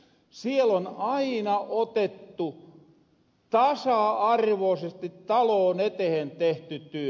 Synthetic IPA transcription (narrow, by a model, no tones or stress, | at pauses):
sielonɑinɑʔot̪et̪ːu | t̪ɑsɑɑrʋoːsest̪it̪ːɑloːnet̪ehent̪eht̪yt̪yø